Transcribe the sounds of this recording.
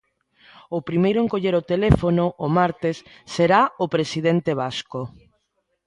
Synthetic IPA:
opɾimejɾʊeŋkoʎeɾot̪elefonoʔːmaɾt̪esː | eɾaopɾesiðent̪eβasko

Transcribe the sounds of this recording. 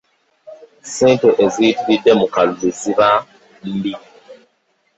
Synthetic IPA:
sĩtoʔezitbidɛmukallusiba | m̩bi

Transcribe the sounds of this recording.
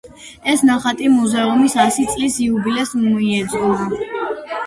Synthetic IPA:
ɛsnaχat̪ʼimuzɛumisasit̪sʼlisiubilɛsumɔiɛd̪zɡulˠa

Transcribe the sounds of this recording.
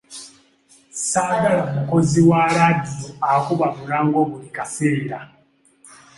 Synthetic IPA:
saːɡalamuko̞ziwaːɾadijoakuβaβuɾaːŋɡo̞ːβulikaseːɾa

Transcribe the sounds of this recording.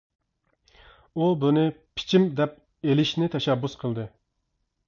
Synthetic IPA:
ubunɪpʰi̥t͡ʃʰimd̪ɛp̚ | elɪʃnɪt̪ʰɛʃɛbːusqʰəlˠd̪ɨ

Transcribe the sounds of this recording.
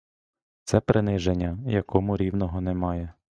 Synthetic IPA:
t̪sɛpɾɪnɪʒenʲːɐjɐkɔmʊɾʲiwnɔɦɔnemɑjɛ

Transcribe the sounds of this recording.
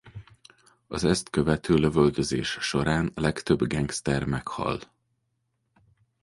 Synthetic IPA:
ɒzɛst̪køvɛt̪ʰøːløvøld̪øzeːʃʃo̞ɾaːnlɛkt̪ø̞bɡɛŋɡst̪ɛrmɛkhɒ̰l

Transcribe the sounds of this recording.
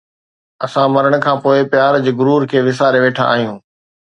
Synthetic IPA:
ɐsãmɐɾəɽ̃ə̆kʰãːpoːɪpjaːɾd͡ʑɪɡʊɾuːɾkʰeːʋɪs̬aːɾeʋeːʈʰã̰a̰ːɦijũː

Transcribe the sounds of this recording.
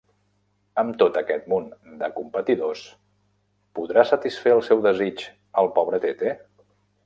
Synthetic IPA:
əmt̪ot̪əkɛt̪̚mund̪əkumpət̪iðos | puðɾasət̪isfeəlˠsɛwðəzit͡ʃ | əlˠpɔβɾət̪et̪e

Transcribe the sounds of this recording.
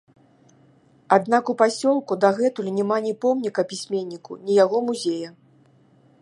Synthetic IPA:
ad̪nakupasʲɔlˠkud̪ɐɣɛt̪ulʲinʲɛmanʲipɔmnʲikɐpʲisʲmʲenʲːikunʲijaɣɔmuzʲejɐ

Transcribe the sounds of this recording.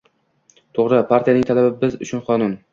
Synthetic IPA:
t̪ʰoʁɾɪpʰaɾt̪ʰijanɪŋt̪ʰalabɪbɪzʊ̰t͡ʃʰʊnqʰɒnʊn

